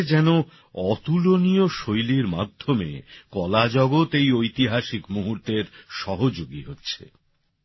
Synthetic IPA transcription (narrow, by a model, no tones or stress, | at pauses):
d͡ʑɛno | ɔt̪ulonioʃojliɾmad̪ʱːomḛkɔlad͡ʑɔɡot̪ejojt̪iɦaʃikmuɦuɾt̪eɾʃɔɦod͡ʑoɡiɦotːɕʰḛ